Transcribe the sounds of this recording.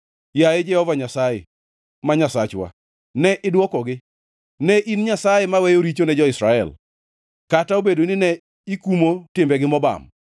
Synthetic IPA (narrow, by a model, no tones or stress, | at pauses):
jaed͡ʒɛhɔvaɲasajḛ | maɲasat͡ʃwa̰ | nɛʔɪdwɔkɔɡɪ | nɛʔinɲasajemawɛjoɾit͡ʃonɛd͡ʒɔɪsɾaɛ̰l | kataobedoinɪnɛ | ikumotɪmbɛɡɪmɔba̰m